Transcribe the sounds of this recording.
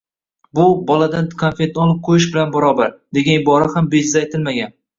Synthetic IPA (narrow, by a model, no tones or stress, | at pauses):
bʊbɒlad̪ankʰanfet̪ːɒlˠɪp̚qʰojɪʃ̬bɪlanbaɾɒbaɾd̪̥e̞ɡʲanɪbɒɾahambed͡ʒɪzaːjt̪ʰɪlmaɡʲan